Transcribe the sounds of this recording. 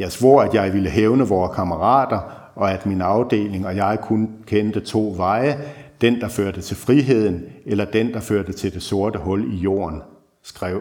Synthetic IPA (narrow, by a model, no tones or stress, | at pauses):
jɑ̈ɪsʋoːæd̥jɑ̈ɪʋiləɦeʊnəʋɒːkʰɑməʁɑ̰̈ːd̥ɐ | ʔɒ̽æd̥minɑ̈ʊd̥e̝̰ːle̝ŋɒ̽jɑ̈ɪkʰunkʰend̥ət͡sʰo̝̰ːʋɑ̈ɪəd̥end̥ɑ̈føɐ̰d̥ət͡sʰe̝lfʁiɦe̝ð̞̰ˠn̩elɐd̥end̥ɑ̈føɐd̥ət͡sʰe̝ld̥e̝so̝ɐd̥əɦɔ̽lijo̝̰ːɐn | sɡ̥ʁɛʊ̰